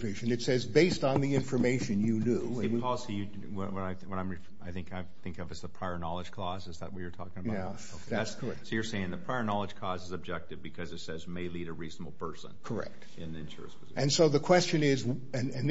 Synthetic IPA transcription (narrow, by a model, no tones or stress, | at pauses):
eʃɨ̃nɨtsɛzbeɪstn̩ðiɪ̃ɱfə˞meɪʃɨ̃njɨnʉ | ɨ̃ɨwʰɔz̥ijɨ | wʌwʌɾaɪwʌɾãɪ̃mɹi | aɪθɪ̃ŋkaɪθɪ̃ŋkʌvɨzðəpʰɹ̥aɪə˞nɑlˠəd̥ʒ̥kʰl̥ɔzɨzðə̰ʔ̚wʌt͡ʃə˞tʰɔkɪ̃ŋəba | oæskʰə˞ɛk̚tsoʊjə˞seɪɪ̃ŋðɨpʰɹ̥aɪə˞nɑlˠəd̥ʒ̥kʰɔzɨzɨb̚d͡ʒɛk̚tɨvbɨkʰʌzɨtsɛzmeɪliɾɨɹiznəbl̩ˠpʰɜ˞sə̰̃nkʰə˞ɛ̰k̚t̚ | ɨ̃nnɨ̃nʃʊ̰ɹɨ̰spʰɨzɪ̰ɨ̃nsoʊðɨkʰw̥ɛst͡ʃɨ̃nɪz | ɨ̃nɨ̃n